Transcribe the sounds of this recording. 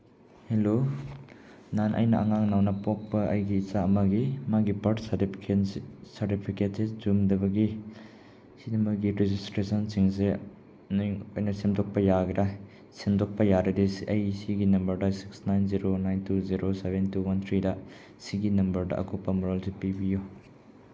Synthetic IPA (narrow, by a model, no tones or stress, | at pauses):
helo | nanʔɐ̰jnɐʔɐ̰ŋaŋnawnɐpɔk̚pɐɐ̰jɡiːt͡ʃaɐmɐɡimaɡipɐɾtstpʰkesɐɾtipʰiketsezumdɐbɐɡi | sidɐmɐɡiɾezistɾesɐnsiŋs̬e | nŋojnɐsimdok̚pɐjaɡɾaj | simdok̚pɐjaɾɐdisiʔɐjsiɡinɐmbɐɾdɐsi̥ksnajnziɾonajntʰuziɾosebentuwɐnt̪ʰɾidɐ | siɡinɐmbɐɾdɐ̰ʔɐ̰kopːɐmuɾolsepibiju